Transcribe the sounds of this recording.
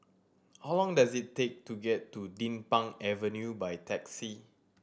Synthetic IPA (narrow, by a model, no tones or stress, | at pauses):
hawlɔ̃ŋdazitːek̚tuɡɛtːudĩnpãŋɛvənjubajtʰɛksi